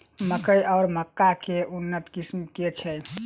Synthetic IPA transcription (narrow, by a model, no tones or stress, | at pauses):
məkəjɔːɾməkːakeunːət̪kismket͡ʃʰɛ